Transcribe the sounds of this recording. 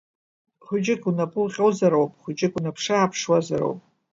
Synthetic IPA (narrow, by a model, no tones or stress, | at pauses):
χʷʊd͡ʒɪkʼunapʼʊlχʲʼowzaɾowpʼχʷʊd͡ʒɪkʼunapʰʂaːpʰʂwazaɾo̰wpʼ